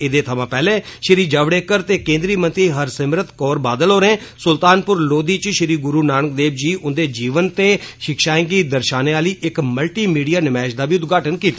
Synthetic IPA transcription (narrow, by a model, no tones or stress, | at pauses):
ɪd̪eːt̪ʰəmãːpɛːlẽːʃɪɾiːd͡ʒaːʋɽeːkəɾt̪eːkẽːnd̪ɾiːmə̃nt̪ɾiːɦəɾsəmɾət̪kɔːɾbaːd̪əlɦoːɾẽːsʊlt̪aːnpʊɾloːd̪iːt͡ʃʃɪɾiːɡʊɾuːnaːnək̚d̪eːbd͡ʒiːʊnd̪eːd͡ʒiːʋənt̪eːʃɪkʃaːɪ̃ŋɡiːd̪əɾʃaːneːaːliːʔɪkməlʈiːmiːɖijaːnɪmɛːʃd̪aːbiːʊt̪̚ɡaːʈənkiːt̪ḁː